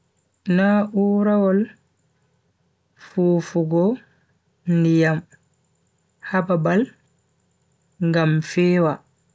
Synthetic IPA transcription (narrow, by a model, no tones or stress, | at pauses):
naʔuːɾawɔl | fuːfuɡɔ | ndijam | hababal | ŋɡamfɛːwa